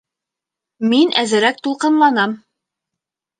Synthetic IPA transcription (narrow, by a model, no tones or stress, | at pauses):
minæzɘ̆ɾæk̚t̪ulˠqɤ̆nlˠɑnɑm